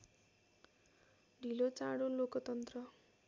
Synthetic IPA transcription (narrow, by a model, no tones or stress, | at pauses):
ɖʱilot͡saɽolokʌt̪ʌnt̪rʌ